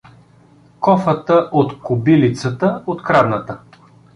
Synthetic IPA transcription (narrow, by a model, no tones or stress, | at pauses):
kɔfət̪əʔot̪kʊbilit̪sət̪əot̪kɾad̪nət̪ə